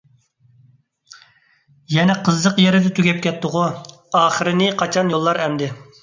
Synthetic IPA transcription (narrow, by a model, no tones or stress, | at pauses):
jɛnɛqʰəzːəqjɛɾɪd̪ɛt̪ʰyɡʲɛp̚kʲɛt̪ːʊʁʊ | ɑːχəɾɪnɪqʰɑt͡ʃʰɑnjolˠːɑɾɛmd̪ɪ